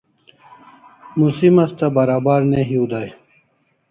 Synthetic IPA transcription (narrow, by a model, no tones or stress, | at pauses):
musimɐst̪ɐbɐɾaːbaːɾneɦiud̪aːj